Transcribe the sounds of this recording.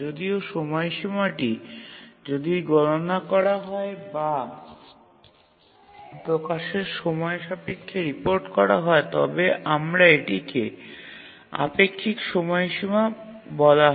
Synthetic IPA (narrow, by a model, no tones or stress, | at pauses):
od̪ioʃɔmɔeʃimaʈi | d͡ʑod̪iɡɔlonakɔɾaɦɔeba | pɾokaʃeɾʃɔmɔeʃapekʰːeɾipoɾʈkɔɾa̰ɦɔet̪ɔ̰beʔamɾaeʈike | a̰pekʰːikʃɔmɔeʃima | bɔlaɦ